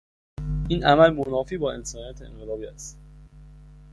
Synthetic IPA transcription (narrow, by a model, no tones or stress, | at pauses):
ʔiːnʔæmælmonɒːfiːbɒːe̞nsɒːnijɒːt̪ʰeḛŋɢelɒːbiːæ̰st̪